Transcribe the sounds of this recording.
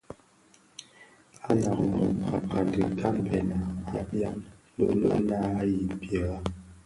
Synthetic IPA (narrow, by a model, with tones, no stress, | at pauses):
a˦na˨k̚mɔ̰˨pa˨ka˨dḭ˨kʰa˦˨m˨pʰɛ˨na˨a˦pja˦m˦ | lṵ˦ʔlə̰˦ʔna˦a˦ji˨pjə˨a˦